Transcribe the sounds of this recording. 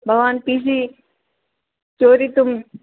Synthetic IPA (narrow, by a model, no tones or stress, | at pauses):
bʱɐʋaːnpiːs̬iː | t͡ʃoːɾiːt̪ʊm